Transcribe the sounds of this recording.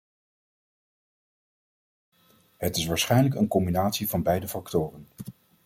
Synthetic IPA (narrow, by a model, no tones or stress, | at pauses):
ɦətɪsʋaːɹsχɛjnləkənkɔmbinaːtsivɑnbɛjdəfɑktʊːrən